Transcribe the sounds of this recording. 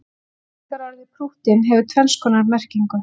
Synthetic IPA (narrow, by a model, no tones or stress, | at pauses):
kaɾɔɾðɪpʰɾuht̪ɪnɦɛvʏt̪ʰvɛlskʰɔːnaɾmɛr̥ciŋkʏ